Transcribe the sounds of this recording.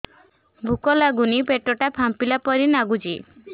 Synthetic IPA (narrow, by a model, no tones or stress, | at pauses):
bʱukɔlaɡunipeʈɔʈapʰampilapɔɾinaɡud͡ʒi